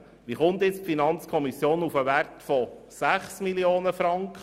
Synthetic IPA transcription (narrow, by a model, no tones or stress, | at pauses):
ʋiχʊnt̪jɪt͡sfinɑnt͡skʰɔmisjoːnufəʋærtfɔ | sæχsmiljoːnəfɾɑŋkχə